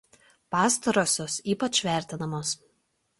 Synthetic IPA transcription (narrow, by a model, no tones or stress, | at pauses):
pɑːst̪ɐɾoːsʲoːsiːpɐt͡ʃʲʋʲæˑɾʲt̪ʲɪnɐmoːs